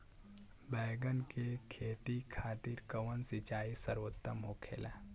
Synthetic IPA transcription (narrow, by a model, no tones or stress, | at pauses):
bɛːɡənkekʰeːt̪ikʰaːt̪iɾkɐʋənsɪt͡ʃaːisəɾot̪ːəmɦoːkʰḛːla̰ː